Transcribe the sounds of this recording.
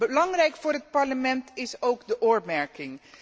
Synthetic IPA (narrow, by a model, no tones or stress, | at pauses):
bəlɑŋrɛjkfʊːɹɦət̚pɑɹləmɛntɪsowkdəʔʊːɹmɛɹkɪŋ